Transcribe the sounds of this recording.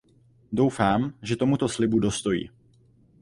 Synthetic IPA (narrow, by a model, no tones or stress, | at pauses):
do̞wfaːmʒɛt̪o̞mut̪o̞slɪbudo̞st̪o̞jḭː